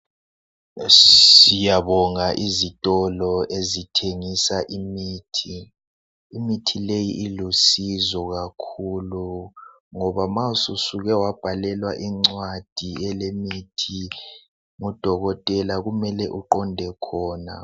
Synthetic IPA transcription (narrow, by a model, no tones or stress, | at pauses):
sijaβɔŋaʔizitʼɔlɔʔezitʰeŋisaʔimiːtʰiː | mitʰilejiʔːlusizɔɣakʰulu | ŋɔβamaususuɣɛwab̥ʱalɛlwaʔiŋ͡ǀwad̥ʱiɛlemitʰi | ŋud̥ʱɔɣɔtʼɛlaɣumɛlɛʔuǃɔndʱɛkʰɔːna̰